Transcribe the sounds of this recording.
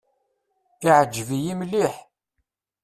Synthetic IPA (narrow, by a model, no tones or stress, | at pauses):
iʕəd͡ʒːəvijimliħ